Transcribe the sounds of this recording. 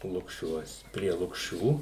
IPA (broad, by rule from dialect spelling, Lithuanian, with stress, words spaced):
lˠʊkˈʃʲuɔs pʲrʲiɛ lˠʊkˈʃʲuː